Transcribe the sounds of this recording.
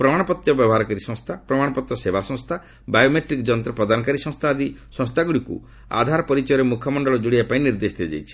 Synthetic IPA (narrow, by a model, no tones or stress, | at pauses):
pɾɔmaɽ̃ɔpɔt̪jɔbjɔbɔɦaɾɔkaɾisɔ̃ŋst̪ʰapɾɔmaɽɔpɔt̪ɾɔsebasɔ̃ŋst̪ʰa | bajomeʈɾikd͡ʒɔnt̪ɾɔpɾɔd̪anɔkaɾisɔ̃st̪ʰaːd̪isɔ̃st̪ʰaɡuɽikṵ | a̰d̪ʱaɾɔpɔɾit͡ʃɔjɔɾemukʰɔmɔɳɖɔɭɔd͡ʒoɽiapaĩniɾd̪esd̪ʰiɔd͡ʒa̰jt͡ʃʰi̥